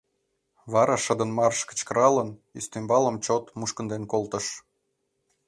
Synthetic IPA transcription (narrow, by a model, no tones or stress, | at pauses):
βɑɾɑʃə̆d̪ə̆nmɑrʃkə̥̆t͡ɕkəɾɑlənyst̪ymbɑləmt͡ɕot̪muʃkənd̪enkolt̪ə̆ʃ